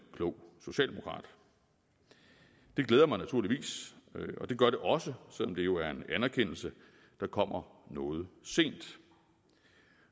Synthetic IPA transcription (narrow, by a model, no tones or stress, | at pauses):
kʰlɔʊ̰so̝ɕɛ̰ːldemo̥kʰʁɑ̰̈ːd̥ | d̥e̝ɡ̥leːð̞ˠɐmɑɪnæt͡sʰuɐliʋḭːsɒ̽d̥e̝ɡ̥ɶɐɾ̥e̝ʔɒ̽səsel̰ɒ̽md̥e̝jo̝æɐe̝nænɐkʰen̰l̩sə | d̥ɑ̈kʰɒ̽m̰ɐnɔːð̞̩ˠse̝̰ːnd̥